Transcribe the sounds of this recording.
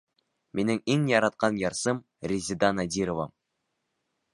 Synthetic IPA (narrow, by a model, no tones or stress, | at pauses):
menɘŋiŋjɑɾɑt̪̚qɑnjɑɾsɤm | rʲizʲɪd̪ɑnɑd̪ʲiɾovɑ